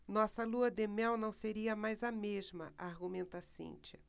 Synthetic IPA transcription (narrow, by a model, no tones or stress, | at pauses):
nɔsɐluɐd̪emɛwnɐ̃w̃seɾiɐmajzɐmeʒmɐʔaɾɡumẽnt̪ɐsḛ̃nt͡ʃɐ